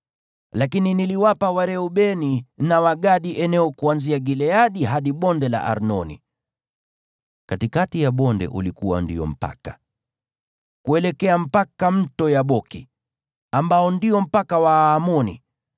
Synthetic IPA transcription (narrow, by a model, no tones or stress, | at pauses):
lakininiliwapawaɾɛuɓɛninawaɡaɗiʔɛnɛɔkuanziaɡilɛaɗiɦaɗiɓɔndɛla̰ʔa̰ɾnɔnḭ | katikatijaɓɔndɛ̰ʔṵlikuwa̰ndiɔ̰m̩pa̰ka | kuɛlɛkɛam̩pakam̩tɔjaɓɔki | ambaɔndiɔm̩pakawaːmɔnḭ